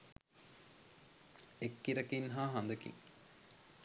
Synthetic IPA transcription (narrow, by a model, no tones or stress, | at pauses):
ekːiɾɐkinɦaːɦɐnd̪əkḭŋ